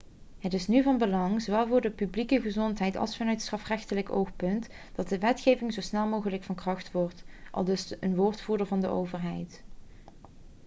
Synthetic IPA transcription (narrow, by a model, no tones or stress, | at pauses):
ɦətɪsnyvɑnbəlɑŋzowʋɛlˠvʊːɹdəpyblikəɣəzɔntɦɛjtɑ̰lˠsfɑnœɥtstrɑfrɛxtələko̰wxpɵnt | d̥ɑt̚dəʋɛtxejvɪŋzosnɛlˠmowɣələkfɑnkrɑχtʋɔɹtʔɑ̰lˠdɵsənʋoːɹtfuːɹdəɹvɑndəʔowvəɹɦɛjt